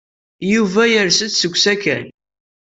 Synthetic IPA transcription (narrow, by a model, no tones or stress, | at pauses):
juvæjəɾsət͡s̪səɡʷsækæn